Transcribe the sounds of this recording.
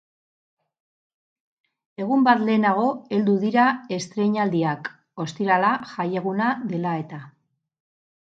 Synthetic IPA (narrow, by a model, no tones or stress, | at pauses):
e̞ɣ̞umbat̪le̞ːnaɣ̞o̞e̞ld̪uðiɾae̞st̪ɾe̞ɲald̪iak | o̞st̪iɾalaʝaje̞ɣ̞unaðe̞lae̞t̪a